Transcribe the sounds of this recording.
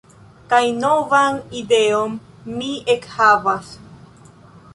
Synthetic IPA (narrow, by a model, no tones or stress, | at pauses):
kajnovanideomː | iekhavas